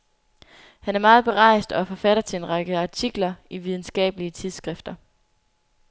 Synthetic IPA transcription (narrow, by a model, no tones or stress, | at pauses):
hænæɐmɑ̈ːð̩ˠb̥e̝ʁɑ̈ɪsd̥ɒ̽fɒ̽fæɾ̥ɐt͡sʰe̝e̝nʁɑ̈ɡ̥əɑ̈t͡sʰiɡ̥lɐiʋið̞ˠn̩sɡ̥ɛ̰ːb̥əliət͡sʰið̞ˠsɡ̥ʁɛfd̥ɐ